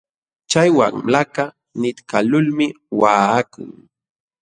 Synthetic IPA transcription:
t͡ʃajwa̰ŋlaka | nɪt̪kalʊlmɪ | waːkʊ̰ŋ

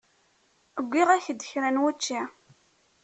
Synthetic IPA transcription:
əɡʷːiʁæçəd̪əçɾænwæt͡ʃːi

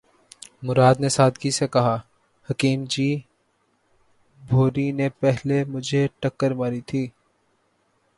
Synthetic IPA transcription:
mʊɾaːd̪nesaːd̪kisekɐɦa | hɐkiːmd͡ʒiː | bʱoːɾinepɛɦlemʊd͡ʒʱeʈɐkːəɾmaːɾit̪ʰiː

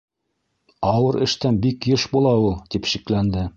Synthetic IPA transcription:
ɑwɤɾɘ̆ʃt̪ænbikjɤʃbulˠɑulˠt̪ipʃiklænd̪ɘ

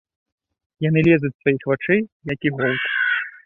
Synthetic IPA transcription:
jan̪ɨlʲɛzut͡sʲsvajixvat͡ʂɨjjɐkiɣɔlˠk̪

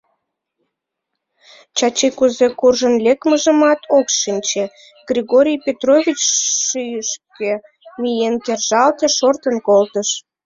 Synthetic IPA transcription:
t͡ɕɑt͡ɕekuzekurʒənlʲekməʒəmɑt̪ʰokʃinʲt͡ɕe | ɡ̥rʲiɣoɾʲijpʲet̪rovʲit͡ɕʃyjəʃke | mijenkerʒɑlt̪eʃort̪ənkolt̪əʃ

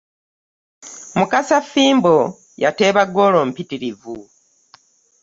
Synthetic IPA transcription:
mukasafiːmbo | jateːβaɡo̞ːloːm̩pitiɾivu

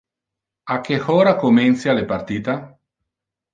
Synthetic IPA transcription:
akːexɔːɾakomɛnt̪sjalepart̪iːt̪a

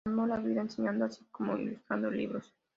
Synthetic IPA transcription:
molaβiðaenseɲãnd̪oasi̥komoḭlust̪ɾand̪olḭβɾos

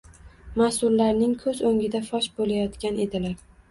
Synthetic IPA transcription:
masʊɾlaɾnɪŋkʰɵzoŋʲɪd̪afɒʃbolajɒt̪kʲane̞d̪ɪlaɾ

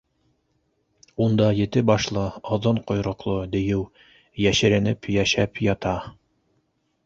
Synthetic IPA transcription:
und̪ɑjɘ̆t̪ɘbɑʃlˠɤɑðɤɴqŏjɾŏqlˠɤd̪ɘ̆jɘw | jæʃɘ̆ɾɘ̆nɘpjæʃæpjɑt̪ɑ

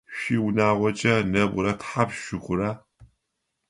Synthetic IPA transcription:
ɕʷiːwʊnaːʁʷɔt͡ʃʼɐnɐbʷʊ̰ɾɐtħapʃʷɪɡʷʼʊɾaː

